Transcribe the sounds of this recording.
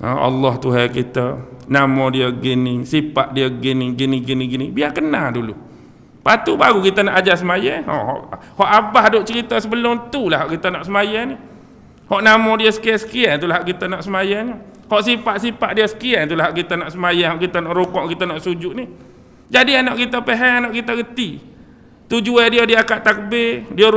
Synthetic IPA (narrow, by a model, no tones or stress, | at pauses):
ə̰ɑ̰lːɔht̪uɦɛkit̪ənamɔdiəɡinisipaʔ̚diəɡiniɡiniɡiniɡinibiakənadulṵ | pat̪ubaɣukit̪ənɔʔad͡ʒasəmajɛhɔ̰ʔɦɔ̰ʔhɔʔabaɦdoʔt͡ʃəɾit̪əsəbəlʊmt̪ulaɦaʔkit̪ənɔʔsəmajani | hɔʔnamɔdiəsə̥kiɛsə̥kiɛnt̪ulahaʔkit̪ənɔʔsəmajaɲəhɔʔsipaʔsipaʔdiəsə̥kiɛnt̪ulahɦaʔkit̪anɔʔsəmajanɦɔʔkit̪anɔʔɾukɔʔkit̪anɔʔsud͡ʒuʔni | d͡ʒadianɔʔkit̪apeɦɛanɔʔkit̪aɡət̪i | t̪ud͡ʒuɛdiədiakaʔt̪ak̚əbediə